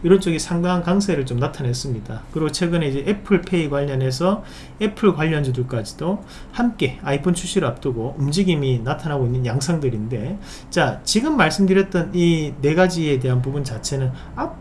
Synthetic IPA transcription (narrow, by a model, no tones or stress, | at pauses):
iɾʌnt͡ɕ͈ʌɡisʰaŋdaŋɦankaŋs̬ʰeɾɯɭt͡ɕomnatʰane̞s͈ɯmɲidakɯɾiɡot͡ɕʰwe̞ɡɯneid͡ʑe̞ʔepʰɯɭpʰe̞iɡwaʎːʌne̞s̬ʰʌ | e̞pʰɯɭkwaʎːʌnd͡ʑudɯɭk͈ad͡ʑido | hamk͈e̞aipʰont͡ɕʰuɕ͈ʰiɾɯɭap̚t͈ɯɡoumd͡ʑiɡiminatʰanaɡoinːɯnjaŋsʰaŋdɯɾinde̞ | t͡ɕat͡ɕiɡɯmːaɭs͈ɯmdɯɾjʌt̚t͈ʌnine̞ɡad͡ʑie̞de̞ɦanp̬ubunt͡ɕat͡ɕʰe̞nɯn | a